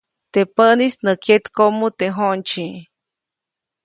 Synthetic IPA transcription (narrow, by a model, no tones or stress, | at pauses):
t̪epənisnəkjet̪komut̪eɦont͡ʃi